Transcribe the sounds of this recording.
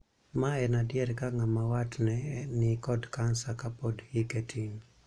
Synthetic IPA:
maɛnadɪɛɾkaŋamawatnɛnɪkɔdkansakapodɡiketʰiŋ

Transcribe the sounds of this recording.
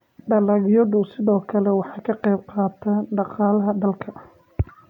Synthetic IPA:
ɖɐlɐɣjɔðʊsɪðɔːkʰɐlɛwɑħɑːkʰɐqɛjb̚qɑːt̪ʰɐɖɑqɑːlɐɦɐd̪ɐlkʰɐ

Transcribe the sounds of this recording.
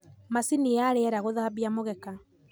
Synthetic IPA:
masiniaɾeɛɾaɣoðaaβiamoɣɛka

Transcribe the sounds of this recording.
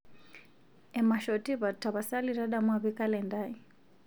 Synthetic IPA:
ɛmaʃɔtiβatːaβasaliɾaɗamwaβikalɛndai

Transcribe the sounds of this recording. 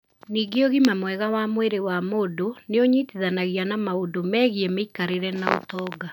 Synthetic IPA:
niɡeoɣimamwɛɣawamweɾewamoːdoneoɲiːtiðanaɣjanamaodomɛːɣiɛmeikaɾeɾɛnaotɔːɡa

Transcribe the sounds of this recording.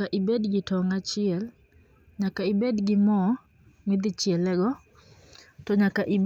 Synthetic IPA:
aʔibedɡɪtɔŋat͡ʃɪɛl | ɲakaibedɡɪmɔ | ŋid̪ɪt͡ʃɪɛlɛɡɔ | tɔɲakaʔib

